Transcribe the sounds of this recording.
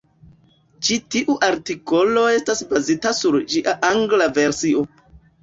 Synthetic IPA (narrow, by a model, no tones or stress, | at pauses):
t͡ʃitiʔuʔaɾtiko̞lo̞e̞stasbazitasuɾd͡ʒiʔaʔaŋɡlave̞ɾsio̞